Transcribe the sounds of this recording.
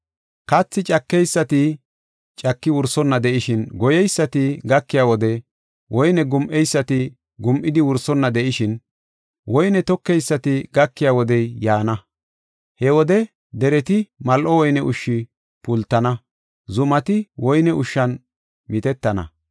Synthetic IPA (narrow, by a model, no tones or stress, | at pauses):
kɐt͡sːɪt͡ʃʼɐkːɛjsːɐt̪ɪ | t͡ʃʼɐkːɪwʊɾsɔnːɐd̪ɛʔɪʃɪnɡɔjɛjsːɐt̪ɪɡɐkːɪjawɔd̪ɛ | wɔjnɛɡʊmʔɛjsːɐt̪ɪ | ɡʊmʔɪd̪ɪwʊɾsɔnːɐd̪ɛʔɪʃɪn | wɔjnɛt̪ɔkːɛjsːɐt̪ɪɡɐkːɪjaːwɔd̪ɛjjaːnɐ | hɛwɔd̪ɛ | d̪ɛɾɛt̪ɪmɐlʔɔwɔjnɛʔʊʃːɪ | pʊlt̪ːɐnɐ | zʊmɐt̪ɪwɔjnɛʊʃːɐn | mɪt̪ɛt̪ːɐnɐ̰